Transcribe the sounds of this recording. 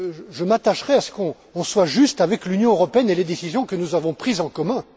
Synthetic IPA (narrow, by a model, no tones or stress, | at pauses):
ʒəmat̪aʃʁɛasə̥kɔ̃ːswaʒyst̪avɛklynjɔ̃øʁɔpeɛneled̪esizjɔ̃kənuzavɔ̃pχizɑ̃kɔmɛ̃